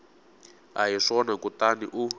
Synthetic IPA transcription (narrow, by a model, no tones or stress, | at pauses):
aɦiʂɔnakutaniʔu